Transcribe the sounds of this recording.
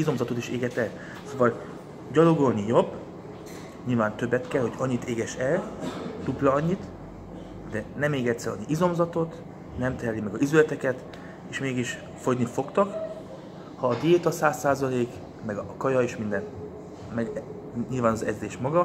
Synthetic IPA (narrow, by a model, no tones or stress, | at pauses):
izo̞mzɒt̪o̞t̪iʃeːɡɛt̪ɛl | soːvɒl | ɟɒlo̞ɡo̞lnijo̞bː | ɲilvaːnt̪ø̞bːɛt̪kɛlho̞ɟɒɲːit̪eːɡɛʃɛlt̪uplɒɒɲːit̪ | d̪ɛnɛmːeːɡɛt̪sɛ̰ɒ̰niizo̞mzɒt̪o̞t̪ | nɛmt̪ɛɛlimɛɡɒizylɛt̪ɛkɛt̪ | eːʃmeːɡiʃ | fo̞ɟnifo̞kt̪ɒk | hɒːd̪ijeːt̪ɒsaːsːaːzɒleːk | mɛɡkɒjɒeːʃmind̪ɛn | mɛɡ | ɲilvaːnɒzɛzd̪eːʃmɒɡɒ